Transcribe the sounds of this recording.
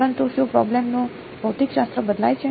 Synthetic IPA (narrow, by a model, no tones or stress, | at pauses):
ɾənt̪uʃupɾɔ̰blemno | bʱəwt̪ikʃast̪ɾəbəd̪la̰jt͡ʃʰe